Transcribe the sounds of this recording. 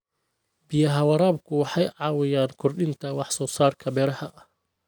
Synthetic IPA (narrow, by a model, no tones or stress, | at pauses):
bɪjɐɦɐwɐɾaːb̚kʰʊwɑħɑjʕɑːwɪjaːnkʰʊrɗɪnt̪ʰɐwɑħsɔːsaːrkʰɐbɛːɾɐhɐʔɐ